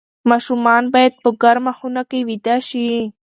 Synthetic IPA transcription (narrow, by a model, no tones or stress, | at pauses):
mɑʃumɑnbɑjad̪̚pəɡaɾmaxunakewid̪aʃi